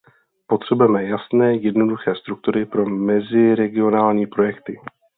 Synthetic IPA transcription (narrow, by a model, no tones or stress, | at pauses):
po̞t̪r̝̥ɛbujɛmɛjasnɛːjɛdno̞duxɛːst̪ɾuk̚t̪uɾɪpɾo̞mɛzɪɾɛɡɪo̞naːlɲiːpɾo̞jɛkt̪ɪ